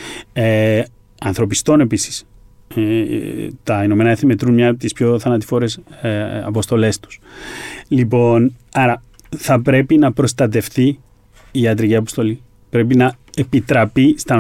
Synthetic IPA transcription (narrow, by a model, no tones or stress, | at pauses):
e | ɐnθɾo̞pist̪o̞ne̞pisi̥s | t̪ɐino̞me̞nɐeθnime̞t̪ɾunmɲɐpt̪ispço̞θɐnɐt̪i̥fo̞ɾesɐ̰po̞st̪o̞le̞st̪u̥s | lipo̞nɐɾɐ | θɐpɾe̞pinɐpɾo̞st̪ɐt̪e̞fθiː | ɐt̪ɾiciɐpo̞st̪o̞li | pɾe̞pinɐ | e̞pit̪ɾɐpist̪ɐ